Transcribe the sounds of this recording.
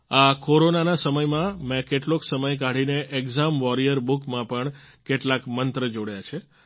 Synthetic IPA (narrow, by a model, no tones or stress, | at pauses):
akoɾonanasəməjmãmẽkeʈloksəməjkaɽineʔekzamʋɔɾijəɾbukmãpəɳ | keʈlakmənt̪ɾəd͡ʒoɽajat͡ʃʰe